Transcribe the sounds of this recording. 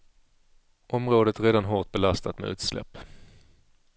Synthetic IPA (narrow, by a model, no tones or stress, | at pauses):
ʔɔmɾoːd̪ət̪ɾeːd̪anɦoːʈ̪̚bɛlast̪at̪mɛ̰ʉ̟ːt̪slɛ̰pː